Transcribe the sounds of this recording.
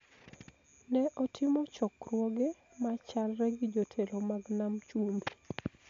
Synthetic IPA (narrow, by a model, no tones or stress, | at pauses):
nɛʔɔtʰɪmɔt͡ʃɔkrwoɡe | mat͡ʃalɾɛɡɪd͡ʒotʰelomaɡnamt͡ʃumbi